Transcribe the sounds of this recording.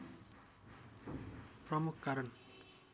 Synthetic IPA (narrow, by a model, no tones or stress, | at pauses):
pɾɔmukːaɾən